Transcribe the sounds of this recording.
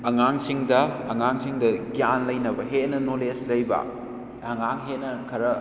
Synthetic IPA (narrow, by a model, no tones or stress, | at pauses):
ɐŋaŋsiŋdɐɐŋaŋsiŋdɐɡijanlɐjnɐbɐɦetnɐnoleslɐjbɐ̰ | ɐŋaŋɦetnɐkʰɐɾɐ